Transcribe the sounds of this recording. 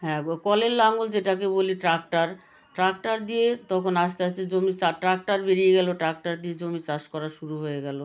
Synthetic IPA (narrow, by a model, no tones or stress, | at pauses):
ɦɛ̃kɔlelːaŋuld͡ʑeʈakeboliʈɾak̚ʈaɾ | ʈɾak̚ʈaɾd̪ijet̪ɔkʰonaʃt̪eaʃt͡ɕʰed͡ʑomit͡ɕaʈɾak̚ʈaɾbeɾijeɡɛloʈɾak̚ʈaɾd̪ijed͡ʑomit͡ɕaʃkɔɾaʃuɾuɦojeɡɛlo